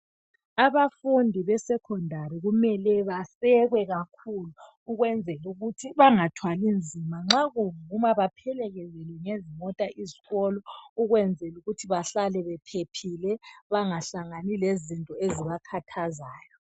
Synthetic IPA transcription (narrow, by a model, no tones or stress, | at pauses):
aβafundʱiβɛsɛkʰɔndʱariɣumɛlɛβasɛɣwɛɣakʰuluː | ɣwɛnd͡zʱɛluɣutʰiβaŋatʰwalind͡zʱimaŋ͡ǁaɣuŋumaβapʰɛlɛɣɛzɛlwɛŋezimɔtʼaʔiziɣɔlɔuɣwɛnd͡zʱɛluɣutʰiβaɬalɛβɛpʰepʰilɛβaŋaɬaŋanilezintʼɔeziβakʰatʰazaːjɔ